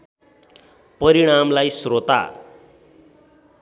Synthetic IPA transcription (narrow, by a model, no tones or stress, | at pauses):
pʌɾiɽ̃amlajsrot̪a̰